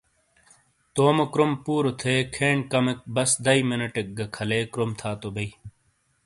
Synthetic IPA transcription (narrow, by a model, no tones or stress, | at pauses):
t̪oːmɐkɾompuːɾot̪ʰeːkʰeːɳkɐmek̚bɐsd̪ɐimenɐʈek̚ɡɐkʰɐleːkɾomt̪ʰaːt̪obɐi